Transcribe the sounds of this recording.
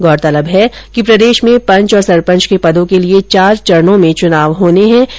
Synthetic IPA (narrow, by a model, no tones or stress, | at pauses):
ɡɔːɾt̪ɐləbɦɛ | kipɾɐd̪eːʃmẽpɐ̃ɲt͡ʃɔːɾsɐɾpə̃ɲt͡ʃkepɐd̪õkeliet͡ʃaːɾt͡ʃɐɾnõmẽt͡ʃʊnaːʋɦoːneɦɛ̃ː